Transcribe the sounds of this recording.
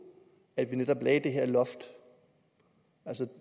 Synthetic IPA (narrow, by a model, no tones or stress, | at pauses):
æd̥ʋined̥ɒ̽b̥lɛːd̥e̝ɦeɐ̰lɒ̽fd̥ | ælsə